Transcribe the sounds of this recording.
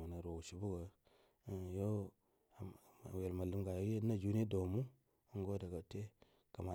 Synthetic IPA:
a˨na˨ɾo˨u˨ʃi˨bu˦ɡə˨ | jo˦˨ | we˨lma˨li˦mɡa˨jo˦je˦na˦d͡ʒu˦n˦e˦do˨mu˦ | ŋ˦ɡo˦da˨ɡa˨te˦ | ka˨ma˨

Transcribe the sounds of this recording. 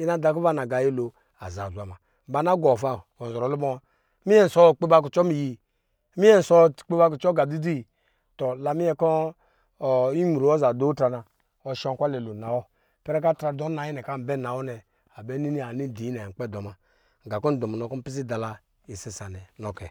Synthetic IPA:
i˦na˦da˨k̬u˦va˦na˨ɡa˨ji˦lo˨ | a̰˨za˨zʷa˨ma˨ | m̩˨ba˨˦na˦ɡɔ˨fa˨ɔ˨n˨zɔ˨ɾɔ˨lu˦bɔ˦wa˦ | mi˦ɛ˦n̩˨sɔ˦˨k͡pe˦ba˦ku˨t͡ʃɔ˦mi˨ji˨˦ | mi˦jɛ˦n̩˨sɔ˦˨k͡pe˦ba˦ku˨t͡ʃɔ˦ɡa˨di˦di˦˨ | tɔ˨la˨mi˦ɛ˦kɔ˦˨ | i˦mu˨ɾo˨˦ɔ˦za˨do˦tɾa˨na˨ | ɔ˨ʃɔ˦ŋ˦kʷa˦lɛ˨lo˨na˨wɔ˦ | pɛ˦ɾɛ˦ka˦tɾa˨dɔ˦na˨˦ji˦nɛ˨ka˦˨m̩˨bɛ˦na˨wɔ˦nɛ˨ | a˨bɛ˦ni˦ni˦a˨ni˦˨di˨˦i˦nɛ˨k͡pɛ˦˨dɔ˨ma˨ | ɡa˨kɔ˦n˦dɔ˨m˨nɔ˨kɔ˦pi˦s̬i˦da˨la˨ | i˨sɛ˨sa˨nɛ˨nɔ˨kɛ˨

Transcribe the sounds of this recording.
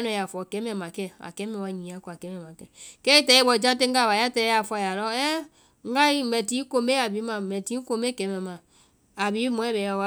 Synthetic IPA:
nɔ˨ja˨fɔ˨kɛ˨˦mɛ˨ma˨kɛ˦a̰˨kɛ˨˦mɛ˨wa˨ɲi˨a˦kɔ˦˨a˨kɛ˨˦mɛ˨ma˨kɛ˦kɛ˦i˦tɛ˨i˦bɔ˨d͡ʒa˦te˦ŋ˦ɡa˦˨βa˨ja˦tɛ˨˦a˨fɔ˦a˨ja˨lɔ˦ɛ˦ | ŋ˦ɡa˦i˦mɛ˨ti˨˦ko˦˨me˦a˨bi˨˦ma˨mɛ˨ti˨˦ko˨me˦kɛ˨˦mɛ˨ma˨ | a˨bi˨˦mɔ˨˦ɛ˦bɛ˨ja˦˨wa˦

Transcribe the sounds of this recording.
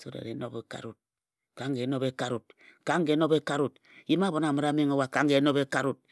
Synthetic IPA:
so˦ɾḛ˨ɾḛ˨˦no˦be˦ka̰˨ɾu˨t̚ | ka˨˦ŋɡe˨˦no˦be˦ka˦ɾu˨tka˦ŋ˦ɡe˨˦no˦be˦ka˦ɾu˨t | ji˦ma˦bo˨˦na˨ma˨ɾa˨˦me˦ŋa˦wa˨ka˦ŋɡe˨˦no˦be˦ka˦ɾu˨t̚

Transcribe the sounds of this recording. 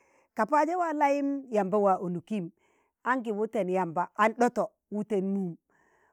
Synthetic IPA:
ka˨pa˦d͡ʒe˦wa˦la˦ji˦mja˨mba˦wa˨ʔo˨nu˨ki˦˨m | a˦ŋɡi˨wu˦te˨nja˨mba˨ʔa˦nɗo˦to˨ | wu˦te˨nmu˦m

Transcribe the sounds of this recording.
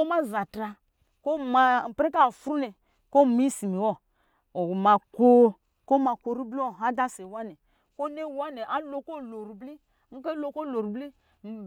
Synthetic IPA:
o˦ma˦za˨tɾa˧ | ko˦ma˧˨pɾe˦k̬a˦˨fɾu˦ne˨ | ko˦mi˦si˨mi˨wɔ˦ | o˨ma˨ko˦ | ko˦ma˨ko˧ɾu˦bli˦wo˨ɦa˦da˦se˨wa˦ne˨ | ko˦ne˦˨wa˦ne˨ʔa˦lo˧ko˦lo˨ɾu˨bli˦ | ŋ̩˦ke˦lo˧ko˦lo˨ɾu˨bli˦ | m̩˨˦

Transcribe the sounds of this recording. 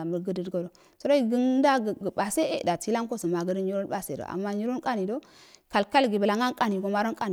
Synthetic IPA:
a˨mə˨ɡə˦də˨dɡo˨do˨ | so˦ɾo˦ɡə˦n˦da˦ɡɡə˨ba˨se˦ḛ˦˨da˨ti˦la˦ŋko˦sə˨ma˨ɡə˦də˦ɲi˦ɾo˦n˦ba˦sḛ˨do̰˨a̰˨mːa˦ɲi˦ɾo˦nkʼa˦ni˨do˦ | ka˨lka˦lɡi˨bə˨la˨ŋa˦nkʼa˦ni˨ɡo˨ma˦ɾo˦nkʼa˦n˨

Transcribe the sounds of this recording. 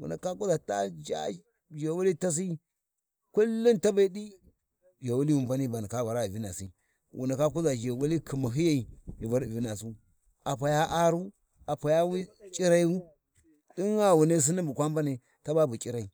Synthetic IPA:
wṵ˨na˨ka˦ku˦za˨ta˦d͡ʒa̰˦ | d͡ʒe˨wu˦li˦ta˦s̬i˦ | ku˦lːu˦nta˦ba˦i˦di˦ | d͡ʒa˨wu˦li˦wu˨mba˦ni˦ba˨ni˨ka˦va˨ɾa˦˨vi˦na˨sḭ˦ | wʔṵ˨na˨ka˦k̬u˦za˨d͡ʒe˨wu˦li˦kʰi˨ma˨ɦi˦ja˦i˨ji˨va˦ɾvi˦na˨s̬u˦ | a˨pa˨ja˦ʔa˦ɾu˦ | a˨pa˨ja˦wi˦t͡ʃʼi˦ɾa˦i˦u˦ | di˦ŋa˦wu˨ne˦s̬i˦ni˦mbu˨kʷa˦m˦ba˦ne˨ | ta˦ba˦bu˨t͡ʃʼi˦ɾa˨i˨

